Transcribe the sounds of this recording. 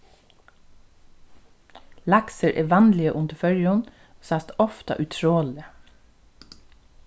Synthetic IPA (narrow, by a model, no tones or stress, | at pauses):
lɑksəɾʔeːʋɑnlɪəʔʊnd̪əfœɹjɔn | oːsɑst̪ɔft̪ɑ̰ʔʉt̪ʰɹoːlɪə